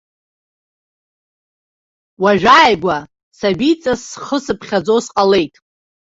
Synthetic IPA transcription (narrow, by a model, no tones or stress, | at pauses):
waʒᶣajɡʷa | sabit͡sʼasχəsɨpʰχʲad͡zosqʼale̞jtʼ